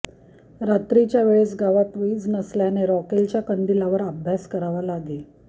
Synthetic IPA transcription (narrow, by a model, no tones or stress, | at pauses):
ɾat̪ɾit͡ɕjaʋeɭesɡaʋapʋid͡znəsljaneɾɔkelt͡ɕjakənd̪ilaʋəɾəbʱjaskəɾaʋalad̪e